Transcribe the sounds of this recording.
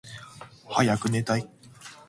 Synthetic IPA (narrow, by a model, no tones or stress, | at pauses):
hajakɯ̟net̪ai